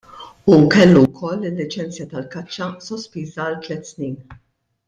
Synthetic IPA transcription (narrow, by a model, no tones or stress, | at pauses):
ukɛlːuwkʰɔlːɪlːɪt͡ʃɛnt͡sjɐt̪ɐlkɐt͡ʃːɐsɔspiːzɐːlt̪lɛt̪ːsniːn